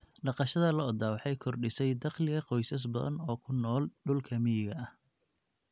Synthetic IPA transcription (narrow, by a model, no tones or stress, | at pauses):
ɖɑqɑʃɐðɐlɐːd̪aːwɑħɑjkʰɔrɖɪsɛjd̪ɑχlɪɣɐqɔjsɐs̬bɐðɐ̰nɔːkʰʊnɔːlɖʊlkʰɐmɪjɪɣɐɐh